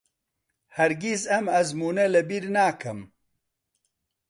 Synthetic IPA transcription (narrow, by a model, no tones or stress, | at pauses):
hɐɾɡizɐmɐzmuːnɐlɐbiɾnaːkʰɐm